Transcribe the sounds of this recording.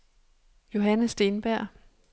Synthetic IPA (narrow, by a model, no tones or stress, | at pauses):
jo̝ɦænəsd̥e̝ːnb̥æɐ̰